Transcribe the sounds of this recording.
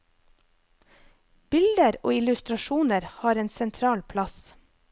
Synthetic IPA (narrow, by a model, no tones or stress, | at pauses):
b̥ɪld̪əɾo̰ːɪlʉst̪ɾɑʃuːnəɾhɑːɾeːnsɛnt̪ʰɾɑːlpʰlɑs